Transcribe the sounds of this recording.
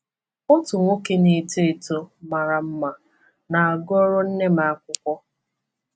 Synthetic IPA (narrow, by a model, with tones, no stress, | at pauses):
ʊ˦tʊ˨ŋʷo˦ke˦ni˨te˦˨to˦ma˨ɾa˨m̩˦ma˨ | na˨a˨ɡɔ˦ɾʊ˦n̩˦ne˦ma˨a˦kʷʊ˦kʷɔ˦